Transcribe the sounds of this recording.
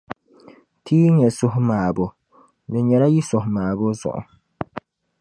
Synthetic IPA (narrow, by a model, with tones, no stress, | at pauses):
tʰiː˦ɲɛ˨sʊ˦ɦʊ˦maː˨bʊ˨ | dɛ˨ɲɛ˨ɾa˦ji˦sʊ˨hʊ˨maː˨bʊ˦zʊ̰˨ʔʊ̰˨